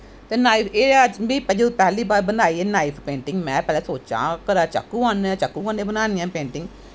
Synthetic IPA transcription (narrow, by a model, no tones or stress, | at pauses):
t̪eːnaːipʰeːəd͡ʒbiːpɛd͡ʒepɛɦliːbaːɾbənd̪aːiːeːnaːipʰpẽːɳʈɪŋɡmɛ̃ːpɛːlɛ̃ːsoːt͡ʃã̰ːkəɾaːt͡ʃə̰kːũːãñːt͡ʃəkːũːkanẽːbənaːnɪjãːpẽːɳʈɪŋɡ